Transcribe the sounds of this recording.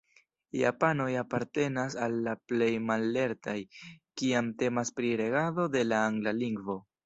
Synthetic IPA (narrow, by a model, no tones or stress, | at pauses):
ja̰pano̞japaɾte̞nasalːaple̞jmalːe̞ɾtʰajkiamte̞maspɾiɾe̞ɡaðo̞de̞laːŋɡlaliŋɡvo̞